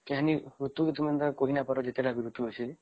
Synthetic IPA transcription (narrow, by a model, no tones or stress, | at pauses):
keɦaniɾut̪uket̪umant̪akoɦinapɔɾɔd͡ʒet̪eɽabiɾut̪uosʰi